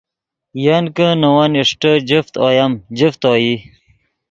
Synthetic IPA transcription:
jankənəwaniʂʈəd͡ʑift̪oːjɐmd͡ʑift̪oːji

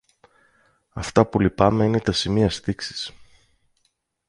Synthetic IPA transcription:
ɐft̪ɐpulipɐme̞ine̞t̪ɐsimiɐst̪iksi̥s

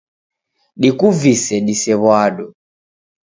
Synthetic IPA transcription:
ɗikuvisɛɗisɛβwaɗɔ

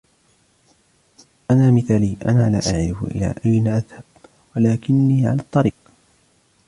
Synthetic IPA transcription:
ʔanaːmɪθaːliːʔa̰naːla̰ːʔaʕɾɪfʊ̰ʔɪ̰la̰ːʔajnaʔaðhab̥ | walaːkɪnːiːʕa̰laːt̪ˤːɑɾiːq

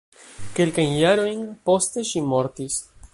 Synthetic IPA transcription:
ke̞lkajnjaɾo̞jnpo̞ste̞ʃimo̞ɾtis

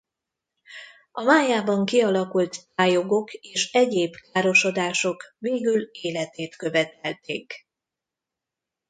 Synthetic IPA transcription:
ʔɒmaːjaːbɒŋkiɒlɒkult̪taːjo̞ɡo̞keːʃɛɟeːbkaːɾo̞ʃo̞d̪aːʃo̞kveːɡyleːlɛt̪eːt̪køvɛt̪ɛlt̪ʰḛːk

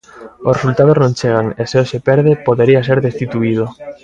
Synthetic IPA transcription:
osresult̪að̞oznõnt͡ʃeɣaŋeseoʃepɛɾðepoðeɾias̬eɾðest̪it̪uiðo

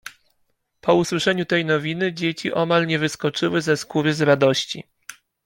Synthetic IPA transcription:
pʰɔuswɘʂɛɲut̪ɛjnɔvʲinɘd͡ʑet͡ɕiʔɔmalɲɛvɘskɔt͡ʂɘwɘzɛskuɾɘzɾad̪ɔɕt͡ɕḭ

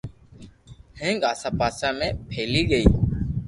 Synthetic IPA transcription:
hẽːŋɡaːsãːpaːsãːmẽːpʰeːliːɠəiː

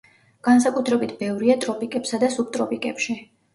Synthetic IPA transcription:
ɡ̥ans̬akʼut̪ʰɾɛbit̪ʰbɛvɾiat̪ʼɾɔpʼikʼɛpsad̪asub̚t̪ʼɾɔpʼikʼɛpʃi

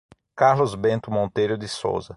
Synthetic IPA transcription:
kaɾlʊzbẽnt̪ʊmõnt̪ejɾʊd̪ɪso̰wzɐ

